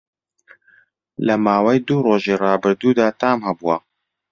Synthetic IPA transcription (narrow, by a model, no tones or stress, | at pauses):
lɐmaːwɐjd̪uroːʒiːrɑːbɨɾd̪uːd̪aːt̪aːmhɐbuwɐ